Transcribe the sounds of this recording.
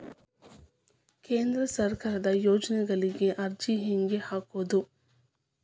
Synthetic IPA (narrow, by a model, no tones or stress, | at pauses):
kẽːnd̪ɾəsɐɾkaɾd̪ajoːd͡ʒneɡɐliɡeʔɐɾd͡ʒiɦẽŋɡehakoːd̪o